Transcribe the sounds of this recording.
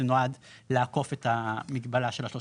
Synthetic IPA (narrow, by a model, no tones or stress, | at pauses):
enoadleako̞fetamiɡbalaʃelaʃlo